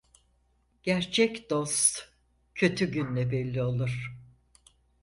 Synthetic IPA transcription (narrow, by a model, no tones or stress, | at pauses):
ɟ̥æɾt͡ʃʰɛcd̪̥o̞st̪ | cʰø̞t̪ʰyɟynlʲɛbɛlʲːio̞lˠuɾ̥